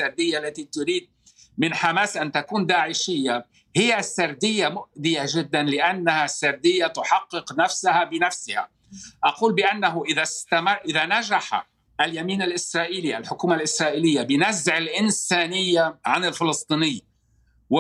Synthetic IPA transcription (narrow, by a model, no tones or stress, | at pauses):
aɾˤd̪ɪjːaʔlːat̪it̪ʊɾiːd̪̚ | mɪnħamaːsʔant̪akuːnd̪aːʕɪʃɪjːa | hɪjːasːaɾˤd̪ɪjːamʊʔd̪ɪjaʒɪd̪ːanlɪʔanːahasːaɾˤd̪ɪjːat̪ʊħɑqːɨqnafsahabɪnafsɪha̰ | ʔɑquːlbɪʔanːaɦʊʔɪðast̪amːʔɪðanaʒaħa̰ | ʔaljamiːnalʔɪsɾˤɑːʔiːliʔa̰lħʊkuːmalʔɪsɾˤɑːʔiːlɪjːabɪnazːʕɪlʔɪnsaːnɪjːaʕanɪlfɪlɨsˤt̪ˤiːnɪjː | w